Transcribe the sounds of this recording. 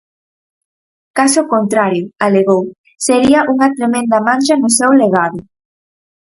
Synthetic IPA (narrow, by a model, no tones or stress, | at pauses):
kasʊkont̪ɾaɾjʊaleɣow | seɾiɐʔuŋɐt̪ɾemẽnd̪ɐmãnʲʃɐnʊsewleɣ̞aðʊ